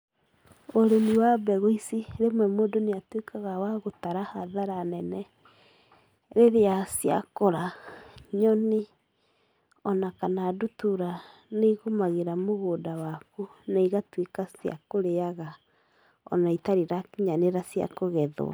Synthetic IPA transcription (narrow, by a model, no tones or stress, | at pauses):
oɾeniwabɛɣoisiɾemwɛmoːdoneatwekaɣawaɣotaɾahaðaɾanɛnɛ | ɾeɾeasja̰koɾaɲɔni | ɔnakanaːdutuɾa | neiɣomaɣeɾamoɣoːdawakunaiɣatwekasja̰koɾeaɣa | ɔ̰naitaɾiɾakiɲaneɾasja̰koɣɛð̰a̰